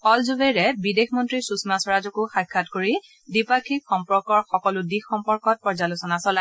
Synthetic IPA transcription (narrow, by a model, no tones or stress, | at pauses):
pɔlzubeɹɛbidexʰmɔntɹisusmasɔɹazɔkʊxakʰːatkoɹi | dipakʰikxɔmpɔɹkɔɹxɔkɔlʊdixɔmpɔɹkɔt̚pɔɹzalʊsɔnasɔla